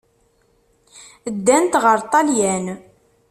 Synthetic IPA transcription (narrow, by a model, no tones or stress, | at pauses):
əd̪ːænt̪ʁəɾˤt̪ˤɑljæn